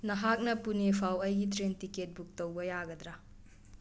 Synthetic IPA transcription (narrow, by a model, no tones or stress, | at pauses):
nɐɦak̚nɐpunepʰawɐjɡitɾentiket̚buk̚tɐwbɐjaɡɐd̪ɾa